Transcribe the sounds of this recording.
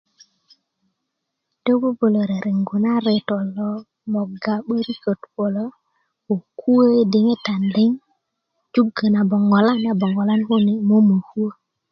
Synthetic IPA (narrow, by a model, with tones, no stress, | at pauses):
te˦bo˦bo˨lo˨ɾe˨ɾe˨ŋɡu˨na˦ɾe˨to˨lːo˦ | mo˨ɡa˨ɓə˦ɾi˦kə˨tbo˨lo˦ | o˨kʰu˦e˦di˨ŋe˦ta˨nli˦ŋ | d͡ʒu˦ɡə˨na˨bo˨ŋo˨la˦na˨bo˨ŋɡo˨la˦nhu˦ni˦mo˦mə˨hu˦ə˦